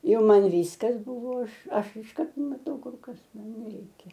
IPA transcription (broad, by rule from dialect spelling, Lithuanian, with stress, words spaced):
ˈjɛʊ ˈmɐn ˈʋʲiːskɐs ˈbʊʋoː ˈɐʃ ˈɐʃ ɪʃˈkɐrt mɐˈtɐʊ ˈkʊr ˈkɐs ˈmɐn nʲɛˈrʲɛɪkʲɛ